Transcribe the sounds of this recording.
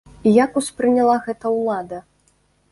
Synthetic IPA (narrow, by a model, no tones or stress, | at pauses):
ijakuspɾɨnʲalˠaɣɛt̪ɐwlˠad̪ɐ